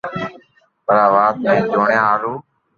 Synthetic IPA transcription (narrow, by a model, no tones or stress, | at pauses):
pəɾaːʋaːt̪mẽːd͡ʒoːɳjãːaːɾuː